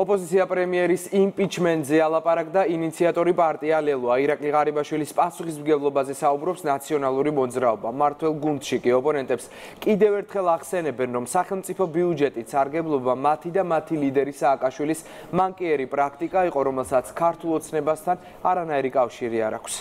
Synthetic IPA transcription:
ɔpʼɔzit̪sʰiapʼɾɛmiɛɾisimpʼit͡ʃʰmɛnt̪ʼzɛalˠapʼaɾakʼd̪ainit̪sʰiat̪ʼɔɾipʼaɾt̪ʼialɛlˠɔaiɾakʼliʁaɾibaʃwilispʼasuχismɡɛblˠɔbazɛsaubɾɔpsnat̪sʰiɔnalˠuɾimɔd̪zɾaɔbamaɾt̪ʰwɛlˠɡund̪̥ʃikʼiɔpʼɔnɛnt̪ʼɛps | kʼid̪ɛvɛɾt̪ʰχɛlˠaʁsɛnɛbɛnɾɔmsaχɛlˠmt̪sʼipʰɔbiud͡ʒɛt̪ʼit̪saɾɡɛblˠɔbamat̪ʰid̪amat̪ʰilid̪ɛɾisaːkʼaʃwilis | maŋkʼiɛɾipʼɾakʰt̪ʼikʼaiqʼɔɾɔmɛlˠsat̪sʰkʰaɾt̪ʰulˠɔt̪sʰnɛbast̪ʰan | aɾanaiɾikʼafʃiɾia̰ɾa̰kʰs

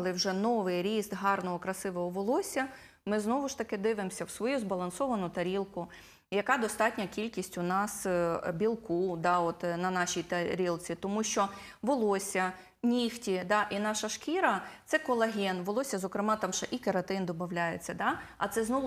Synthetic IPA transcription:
lˠɪwʒɛnɔʋɪjɾʲisd̪ɦɑrnɔɦɔkɾɐsɪʋɔɦɔʋɔlˠɔsʲɐ | mɪznɔʋʊʃt̪ɐkɪd̪ɪʋɪmsʲɐwsʋɔjuzbɐlˠɐnsɔʋɐnʊt̪ɐɾʲilˠkʊ | jɐkɑd̪ɔst̪ɑtʲnʲɐkʲilʲkʲisʲtʲʊnɑsbʲilˠkud̪ɑɔt̪nɐnɑʃʲijt̪ɐɾʲilˠt͡sʲit̪ɔmuʃt͡ʃɔʋɔlˠɔsʲɐ | nʲixtʲid̪ɑʔinɑʃɐʃkʲiɾɐt̪sɛkɔlˠɐɦʲɛnʋɔlˠɔsʲɐzɔkɾɪmɑt̪ɑmʃɛʔikɐɾɐt̪ɪnd̪ɔbɐwlʲajet͡sʲːɐd̪ɑɐ̰t̪sɛznɔ

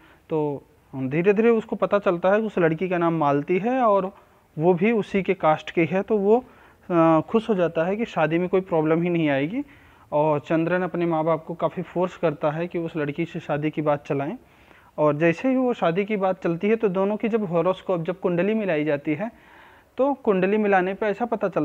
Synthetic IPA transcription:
t̪oː | d̪ʱiːɾed̪ʱiːɾeʊskopɐt̪at͡ʃɐlt̪aɦɛkiʊslɐɽkikanaːmːaːlt̪iɦɛɔːɾ | ʋobʱiʊsikekaːsʈkeɦɛt̪oʋo | xʊʃɦod͡ʒaːt̪aɦɛkiʃaːd̪imẽkoːipɾɔːbləmɦinɐɦĩaːeːɡiː | ɔːɾt͡ʃɐ̃nd̪ɾəneɐpnemaːbaːb̚kokaːfifoːɾskɐɾt̪aɦɛkiʊslɐɽkiseʃaːd̪ikibaːt̪̚t͡ʃɐlaːẽ | ɔːɾd͡ʒɛːsebʱiʋoʃaːd̪ik̬ibaːt̪̚t͡ʃɐlt̪iɦɛt̪od̪oːnõkid͡ʒɐbɦoːɾoskɔːp̚d͡ʒɐb̚kʊ̃ɳɖəlimɪlaːid͡ʒaːt̪iɦɛ | t̪okʊ̃ɳɖəlimɪlaːnepeɛːsapɐt̪at͡ʃɐl

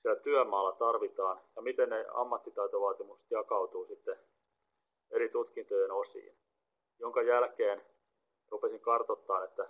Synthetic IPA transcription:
siælæt̪yæmɑːlːɑt̪ɑrʋit̪ɑːnjɑmit̪enneɑ̰mːɑt̪ːit̪ɑit̪oʋɑːt̪imukst̪jɑkɑut̪uːsit̪ːe | eɾit̪ut̪kint̪ojenosḭːn | joŋkɑjælkeːn | rupesiŋkɑrt̪ot̪ːɑːnet̪ːæ

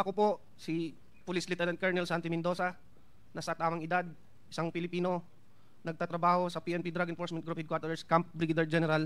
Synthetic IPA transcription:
ʔɐkopo̞ | si | pʊlislɪt̪ɛɾɐnt̪̚kaɹnɛlsant̪ɪmɪnd̪o̞sɐ | nɐsɐt̪aːmɐŋɪd̪ad̪̚ | ʔɪsaŋpɪlɪpiːno̞ | nɐɡ̚t̪at̪ɾɐbaːho̞sɐpiʔɛnpid̪ɾaɡɪnfoɹsmɛn̚ɡɾuphɪd̪̚kwaɾt̪ɛskamp̚bɾɪɡɪd̪ɛɹd͡ʒɛnɛɾal

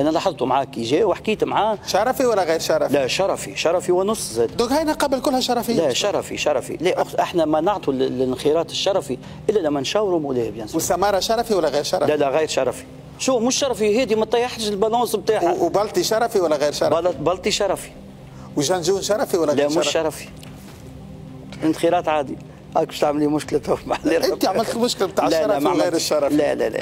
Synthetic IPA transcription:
ʔænælɑħɑðˤt̪umʕaːkiʒɛːwɪħkiːt̪mʕaːʃɑɾˤɑfiwælːæɣijɾʃɑɾˤɑlæʃɑɾˤɑfḭʃɑɾˤɑfiwɪnʊsˤːzɛːd̪d̪õːkhæjnæqɑbəlkʊlːhæʃɑɾˤɑfɪːlæʃɑɾˤɑfḭʃɑɾˤɑfḭlɛʔʊxʔɪħnɛmænɑʕt̪ˤullɪxɪɾˤɑːt̪ɪʃːɑɾˤɑfi | ʔɪlːælæmːænʃæːwɾumʊlɛːhbjanswsæmɑːɾˤɑʃɑɾˤɑfiwælːæɣijɾʃɑɾˤlælæɣijɾʃɑɾˤɑfi̥ | ʃuːfmʊʃːɑɾˤɑfiɦɛːd̪imæt̪ːˤɑjaħɾɪʒɪlbɑlɑ̃ːsb̚t̪aːħabɑlt̪ˤiʃɑɾˤɑfiwælːæɣijɾʃɑɾˤbɑbɑlt̪ˤiʃɑɾˤɑfi̥ | wʒænʒunʃɑɾˤɑfiwælːlæmʊʃʃɑɾˤɑfi̥ | ɪnxiɾˤɑːt̪ʕaːd̪i | ʔɑk̚bɪʃt̪aʕmliːmʊʃkɪlæt̪ʊfmaʕliɾʔɪt̪iʕmɪlt̪mʊʃkɪlbt̪aːʕlælˤɾæmaʕmɣjɾʃːɑɾˤɑflælæ̰lɛ̰

